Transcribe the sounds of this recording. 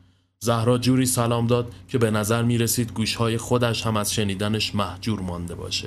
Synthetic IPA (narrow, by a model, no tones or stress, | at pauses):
zæhɾɒːd͡ʒuːɾiːsælɒːmd̪ɒːd̪̥̚cʰe̞be̞næzæɾmiːɾe̞siːd̪ɡuːʃhɒːje̞xo̞d̪æʃhæmæz̥ʃe̞niːd̪æneʃmæhd͡ʒuːɾmɒːnd̪e̞bɒ̰ːʃed̪̥